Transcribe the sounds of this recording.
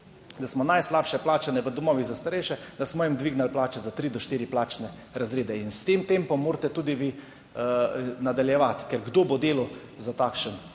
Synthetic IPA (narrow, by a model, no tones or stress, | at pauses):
d̪asmɔnajslapʃɛplaːt͡ʃanɛʋəd̪ɔmɔːʋizast̪aɾɛjʃɛd̪asmɔjimd̪ʋiɡnalplaːt͡ʃɛzat̪ɾid̪ɔʃt̪iːɾiplaːt͡ʃnɛ | ɾazɾeːd̪ɛinst̪emt̪empɔmːoːɾt̪ɛt̪uːd̪iʋi | nad̪aljɛʋat̪kɛɾɡd̪oːbod̪eːlɔzat̪aːkʃən